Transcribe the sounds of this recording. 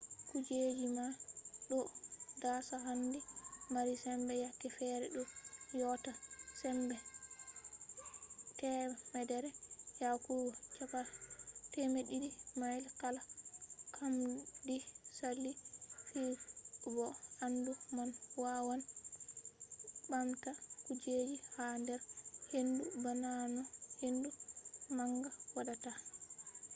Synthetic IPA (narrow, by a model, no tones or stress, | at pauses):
kud͡ʒed͡ʒimaɗɔdasaɦandimaɾisɛmbɛjakːɛfɛɾɛɗɔjɔtasɛmbɛ | tɛmɛdɛɾɛjakuɡɔt͡ʃapatɛmeɗidimajlkalakʰamdisalːifibɔandumanwawan | bamtakud͡ʒed͡ʒihandɛɾhendubananɔhendumaŋɡawadata